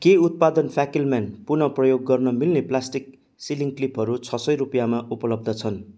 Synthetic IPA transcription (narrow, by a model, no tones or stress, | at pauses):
keut̪̚pad̪ʌnpʰjakilmanpunʌprʌjoɡːʌrnʌmilneplasʈik̚ | siliŋklipɦʌɾut͡sʰʌsʌjɾupijamaʔupʌlʌb̚d̪ʌt͡sʰʌn